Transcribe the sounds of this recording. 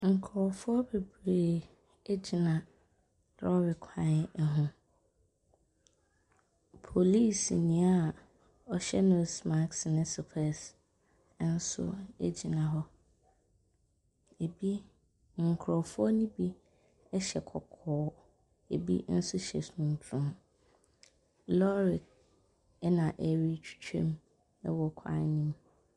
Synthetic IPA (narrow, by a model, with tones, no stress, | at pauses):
ŋ̩˨kʰɾɔ˨fʊ˦ɔ˦be˨bɾeː˨ | e˦d͡ʑi˨nã˨ | ɾɔ˦ɔ˦bɪ˨kʰã˦ɛ˨ɦʊ̃˦ | pʰo˨li˦˨snĩ˨a˦˨ | ɔ˨ɕɛ˦nʊ̃˦˨sma˦˨ksnɪ̃˦sʊ˨pʰɛ˨s | n̩˦sʊ̰˦ḛ˦d͡ʑi˨nã˨ɦɔ˦ | e˨bi˦ | ŋ̩˨kʰɾɔ˨fʊ˦ɔ˦nĩ˦bi˦ | ɛ˦ɕɛ˨kʰɔ˨kʰɔː˦ | e˨bḭ˦n̩˦sʊ˦ɕɛ̰˨su˨nũ˨m˨tʰɾʊ̃˦m | lɔ˦ɾɪ˨k̚ | ɛ˦nã˨ʔɛ˨ɾi˦t͡ɕʰᶣi̥˦t͡ɕʰᶣɛ̰̃˦m | ɛ̰˦wɔ˨kʰa̰˨˦nĩ˦m